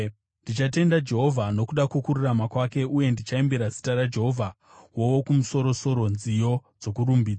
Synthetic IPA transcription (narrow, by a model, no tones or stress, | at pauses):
ndit͡ʃate̞ndad͡ʒe̞ɦo̞vʱano̞kuɗakukururamakwake̞uje̞ndit͡ʃaembeɾazi̥taɾad͡ʒe̞ɦo̞vʱa | wo̞wo̞kumuso̞ɾo̞so̞ɾo̞nzijo̞d͡zo̞kuɾumbiːd͡za